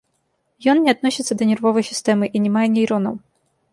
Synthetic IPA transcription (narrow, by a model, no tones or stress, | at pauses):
jɔnːʲɪɐt̪nɔsʲɪt̪sːəd̪ɐnʲɪrvɔvɐjsʲɪ̥st̪ɛmɨʔinʲɪmajɛnʲijɾɔnɐ̰w